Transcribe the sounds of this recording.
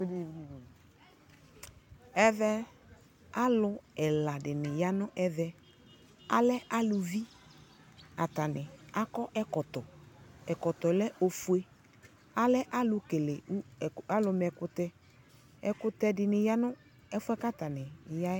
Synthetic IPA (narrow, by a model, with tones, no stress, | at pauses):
ɛ˦vɛ˦ | a˦lʊ˨ɛ˨la˨dɪ˨nɪ˨ja˦nʊ˦ʔɛ˦vɛ˦ | a̰˦lɛ˦ʔa˦lʊ˨vi˦ | a˨ta˨nɪ˨a˦kɔ˦ʔɛ˦kɔ˨t̪ɔ˨ɛ˨kɔ˨t̪ɔ˨lɛ˦ʔo˨fu˨e˦ | a˦lɛ˦ʔa˦lʊ˨ke˨le˨˦˨a˦lʊ˨˧mɛ˨kʊ˦t̪ɛ˦ | ɛ˨kʊ˦t̪ɛ˦dɪ˨nɪ˨ja˦nʊ˦ | ɛ˦fʊ˦ɛ˦ka˦ta˨nɪ˨ja˦